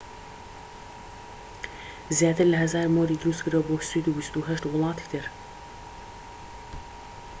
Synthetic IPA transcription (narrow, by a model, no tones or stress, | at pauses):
zjaːt̪ʰɨɾlɐɦɐzaːɾmoːɾiːd̪ɾuːskɨɾaboːswiːd̪uːbist̪uɦɐʃt̪wʊlˠɑːt̪ʰi̥kt̪ʰɨɾ